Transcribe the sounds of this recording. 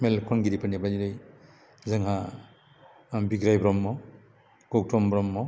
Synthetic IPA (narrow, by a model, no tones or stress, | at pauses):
melkʰɔŋɡiɾipʰanibadiɾɯj | zɯŋɦa | biɡɾajbɾɔmːɔ | ɡɔk̚tɔmbɾɔmːɔ